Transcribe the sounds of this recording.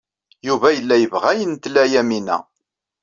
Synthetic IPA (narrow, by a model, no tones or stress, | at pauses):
juvæjəlːæjəvʁæjənt̪læjæminæ̰